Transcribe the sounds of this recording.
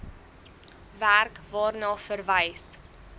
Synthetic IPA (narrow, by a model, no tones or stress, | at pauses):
værkvɑːrnɑːfərvəjs